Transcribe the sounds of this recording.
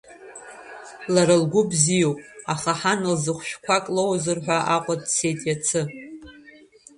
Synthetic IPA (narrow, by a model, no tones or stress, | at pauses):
laɾalɡʷʊbzijowpʼaχaħanɨlzɨχʷʃᶣkʷʰakʼlowzɨrħʷᶣaʔaqʷʼadsʰe̞jtʼjat͡sʰɨ